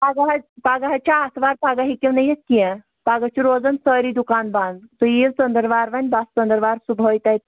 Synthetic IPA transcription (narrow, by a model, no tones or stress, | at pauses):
paɡaɦɐpaɡaɦɐt͡ʃaːsʋaɾpaɡaɦikʲewnɐjeskijɛ̃ | paɡət͡ʃiɾoːd͡zənsəːɾiːd̪ukaːnbãnd̪t̪ɔjit͡sənd̪əɾʋaɾʋanʲbast͡sənd̪əɾʋaːɾsubʱojt̪ajt̪